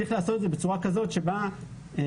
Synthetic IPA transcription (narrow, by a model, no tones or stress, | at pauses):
iχleːso̞t̪edzebet͡suʁakazo̞t̪ʃeba